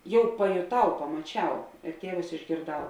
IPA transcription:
ˈjɛʊ pɐjoːˈtɐʊ pɐmɐˈt͡ʃʲɛʊ ɪr ˈtʲiɛʋʊs ɪʒʲɡʲeːrˈdɐʊ

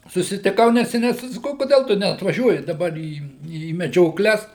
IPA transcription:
sʊsʲɪtʲɪˈkɐʊ nʲɛsʲɛˈnʲɛɪ tɐɪ sɐˈkɐʊ kʊˈdʲɛlˠ tʊ nʲɛɐtʋɐˈʒʲuɔjɪ dɐˈbɐr iː iː mʲɛd͡ʒʲoːˈklʲɛs

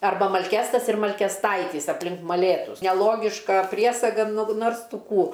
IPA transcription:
ɐrˈbɐ mɐlʲˈkʲæːstɐs ɪr mɐlʲkʲɛsˈtɐɪtʲiːs ɐpʲˈlʲɪŋk mɐˈlʲeːtʊs nʲɛˈlˠoːɡʲɪʃkɐ ˈpʲrʲiɛsɐɡɐ nʊ ˈnoːrs ˈtʊ ˈkuː

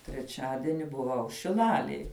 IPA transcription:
tʲrʲɛˈt͡ʃʲæːdʲiɛnʲɪ bʊˈʋɐʊ ʃʲɪˈlˠɑːlʲeːj

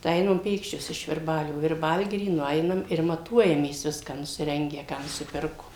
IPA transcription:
tɐɪ ˈɛɪnɐm ˈpʲeːkʃʲt͡ʃʲoːs ɪʃ ʋʲɪrˈbɑːlʲoː ʋʲɪrˈbɐlʲɡʲɪrʲiː nʊˈɛɪnɐm ɪr mɐˈtuɔjɛmʲeːs ˈʋʲɪskɑː nʊsʲɪˈrʲɛŋʲɡʲæː ˈkɑː nʊsʲɪˈpʲɪrkoːm

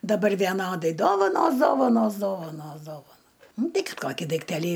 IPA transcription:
dɐˈbɐr ʋʲiɛˈnoːdɐɪ ˈdoːʋɐnoːs ˈdoːʋɐnoːs ˈdoːʋɐnoːs ˈdoːʋɐnoː ˈnʊ ˈtɐɪ ˈkɐt ˈkoːkʲiː dɐɪkˈtʲæːlʲiː

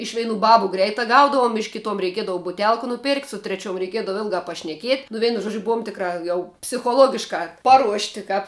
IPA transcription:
ˈɪʃ ˈʋʲɛɪnʊ ˈbɑːbʊ ˈɡrʲɛɪtɑː ˈɡɐʊdɐʋʊm ɪʃ ˈkʲɪtoːm rʲɛɪˈkʲiɛdɐʋʊ bʊˈtʲɛlˠk nʊˈpʲɛrktʲ sʊ tʲrʲɛˈt͡ʃʲuɔm rʲɛɪˈkʲiɛdɐʋoː ˈɪlˠɡɑː pɐʃʲnʲɛˈkʲiɛtʲ nʊ ˈʋʲɛɪnʊ ˈʒuɔd͡ʒʲʊ ˈbuɔm ˈtʲɪkrɑː jɛʊ pʲsʲɪxoːˈlˠoːɡʲɪʃkɑː ˈpɑːruɔʃʲtʲɪ ˈkɑːp

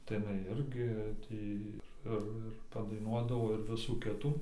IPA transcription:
tɐɪ ɪˈnɐɪ ˈɪrʲɡʲɪ ˈtʲiː ɪr ˈɪr ɪr pɐdɐɪˈnuɔdɐʋoː ɪr ˈʋʲɪsuː ˈkʲɪtuː

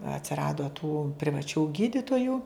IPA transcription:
ɐtʲsʲɪˈrɑːdoː tuː pʲrʲɪʋɐˈt͡ʃʲuː ˈɡʲiːdʲɪtoːjʊ

